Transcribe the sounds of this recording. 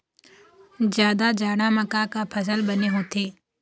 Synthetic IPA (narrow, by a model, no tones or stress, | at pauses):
d͡ʒjaːd̪ad͡ʒaːɽaməkakapʰəs̬əlbəneɦõːt̪ʰeː